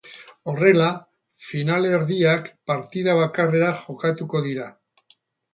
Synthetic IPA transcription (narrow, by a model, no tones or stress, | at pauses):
o̞re̞la | finaleɾðiakpaɾt̪iðaβ̞akare̞ɾaʝo̞kat̪uko̞ðiɾa